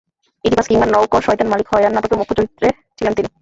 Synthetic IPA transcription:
it̪ibaskiŋbannɔwkoɾʃɔjt̪anmalikhɔjanːaʈokeɾmukʰːot͡ɕoɾit̪ːɾe | t͡ɕʰilent̪ini

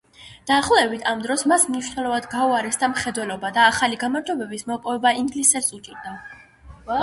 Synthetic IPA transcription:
d̪̥aːχlˠɛbit̪ʰamd̪ɾɔsmasmniʃnɛlˠɔvad̪ɡauaɾɛsd̪amχɛd̪wɛlɔbad̪aːχaliɡamaɾd͡ʒɔbɛbismɔpʼɔvɛbaiŋɡlisɛsʼukʼid̪a

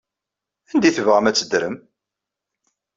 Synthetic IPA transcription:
ænd̪iθəvʁəmæt͡sːəd̪ɾəm

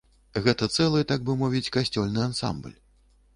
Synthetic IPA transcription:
ɣɛt̪ɐt̪sɛlˠɨt̪aɡ̚bɨmɔvʲit͡sʲkasʲt͡sʲɔlʲnɨansa̰mblʲ

